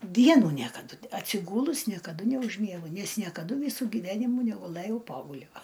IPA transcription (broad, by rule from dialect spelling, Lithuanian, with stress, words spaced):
ˈdʲiɛnuː ˈnʲiɛkɐdʊ ɐtʲsʲɪˈɡuːlˠʊs nʲiɛkɐˈdʊ nʲɛʊʒʲˈmʲiɛɡʊ ˈnʲɛs nʲiɛkɐˈdʊ ˈʋʲiːsʊ ɡʲiːˈʋʲæːnʲɪmuː nʲɛɡʊˈlˠɘjɛʊ ˈpoːɡʊlʲoː